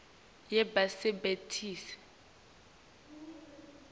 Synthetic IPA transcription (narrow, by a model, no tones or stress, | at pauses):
jɛbasɛbetʰiːsɛ̥